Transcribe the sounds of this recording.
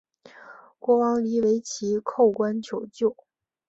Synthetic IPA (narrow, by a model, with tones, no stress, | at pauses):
kwɔ˧˥wɑ˧˥ŋli˧˥we˧˥ɪt͡ɕʰi˧˥kʰo˥˩ʊkwa˥nt͡ɕʰjo˨˩ʊt͡ɕjo˥˩ʊ